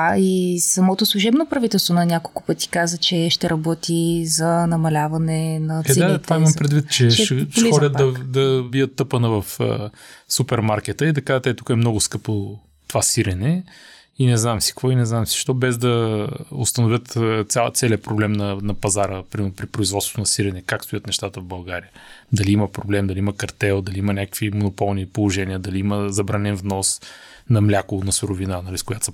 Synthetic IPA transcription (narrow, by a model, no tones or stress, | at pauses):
aisɐmɔt̪oslˠʊʒɛbnopɾɐvit̪ɛlˠst̪vonɐnʲakolˠkʊ̥pɤt̪i̥kazət͡ʃɛʃt̪ɛɾʔɐbɔt̪izɐnɐmɐlʲavɐnɛnɐɛt̪vaiimɐmpɾɛd̪vit̪t͡ʃɛʃʃlixɔdʲət̪d̪ɐd̪ɐbiət̪ːɤpənəvɐfə̰supɛɾmaɾkɛt̪əid̪ɐkaʒət̪ɛt̪u̥kəɛmnɔɡʊskɤpo | t̪ovasiɾɛnɛ | inɛznamsi̥kvɔinɛznamsi̥ʃt̪ɔbɛzd̪ɐʊst̪ɐnʊvʲət̪t̪sʲat̪sɛliəpɾoblɛmnɐnɐpɐzaɾəpɾimɛɾnpɾipɾoizvɔt̪sot̪nɐsiɾɛnɛkakst̪ʊjət̪nɛʃt̪at̪əvbɐlˠɡaɾiəd̪ɐliiməpɾoblɛmd̪ɐliiməkɐɾt̪ɛlˠd̪ɐliiməɐnʲakə̥kvimonopɔlˠnipolˠoʒɛnʲiəd̪ɐliiməzɐbɾanɛnvnɔs | nɐmlʲakʊnɐsʊɾovinanɐliskʊjat̪s